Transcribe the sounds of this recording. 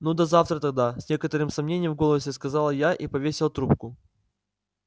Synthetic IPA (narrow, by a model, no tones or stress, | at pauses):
nud̪ɐzaft̪ɾət̪ɐɡ̚d̪asʲnʲe̞kət̪əɾɨmsɐmnʲenʲɪjəmvɡo̞lˠəsʲɪskɐzalˠəjaʔipɐvʲesʲɪlˠt̪ɾup̚kʊ